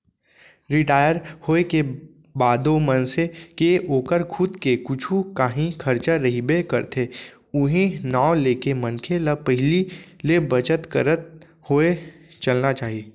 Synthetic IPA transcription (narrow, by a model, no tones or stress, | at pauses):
ɾɪʈaːjəɾhoːeke | baːd̪omɐnsekeʔoːkəɾkʰʊd̪kekʊt͡ʃʰukaɦĩkʰɐɾt͡ʃaɾɐɦibekɐɾt̪ʰe | ʊɦĩnaːleːkemə̃nkʰeləpəɦɪlilebɐt͡ʃət̪kə̰ɾət̪̚ | hoe | t͡ʃɐlnat͡ʃaːɦieː